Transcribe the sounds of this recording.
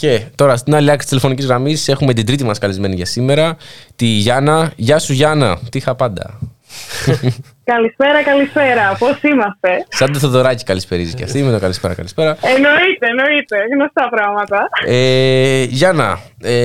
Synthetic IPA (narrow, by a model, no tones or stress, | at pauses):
ce̞t̪o̞ɾɐst̪inɐliɐksi̥t̪st̪ilefo̞nicizɣɾɐmisse̞xumet̪ind̪ɾit̪imɐskɐlizme̞niʝɐsime̞ɾɐt̪iʝɐnɐʝɐsuʝɐnɐt̪ixɐpɐnd̪ɐ̰ | kɐlispe̞ɾɐkɐlispe̞ɾɐposimɐst̪e̞sɐnd̪oθoðo̞ɾɐci̥kɐlispe̞ɾiziʝɐ̰simenokɐlispe̞ɾɐ̰kɐ̰lispe̞ɾɐeno̞it̪eːno̞it̪e̞ɣnost̪ɐpɾɐɣmɐt̪ɐeʝɐnɐ | e